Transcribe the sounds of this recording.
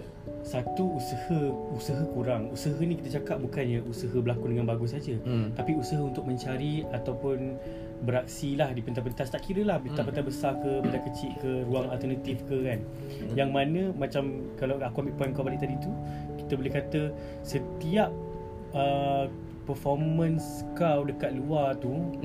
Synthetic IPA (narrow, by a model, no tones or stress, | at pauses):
sat̪uːsəhəusəɦəkuɾaŋusəɦənikit̪ət͡ʃakap̚bukanjaʔusəɦəbəlakudəŋanbaɡʊs̬ad͡ʒət̪apiusəɦəunt̪ʊk̚mə̃ɲt͡ʃaɾiat̪awpʊn | bəɾak̚silahdipənt̪apənt̪ast̪aʔkiɾəlahbt̪apənt̪abəsakəpənt̪akət͡ʃɪʔkəɾuaŋalt̪ənat̪ifkəkan | jaŋmanə̃mãt͡ʃam | kalawakuamiʔpɔjnkabalɪʔ̚t̪adit̪u | ki̥t̪əbolɪhkat̪ə | sət̪iap̚ | ə | pərfɔrmə̃nskawdəkat̪̚luart̪u